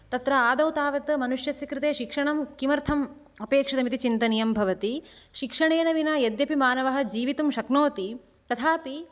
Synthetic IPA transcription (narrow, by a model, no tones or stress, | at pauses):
t̪ɐt̪ɾɐaːd̪ɐwt̪aːʋɐt̪ɐmɐnuʂjɐsjɐkɾɪt̪eːʃikʂɐɳɐmkimɐɾt̪ʰɐm | ɐpeːkʂɐd̪ɐmit̪it͡ʃint̪ɐnijɐmbʱɐʋɐt̪iʃikʂɐɳeːnɐʋinɐːjɐd̪jɐpimaːnɐʋɐɦɐ̆d͡ʒiːʋit̪umʃɐknoːt̪i | t̪ɐt̪ʰaːpi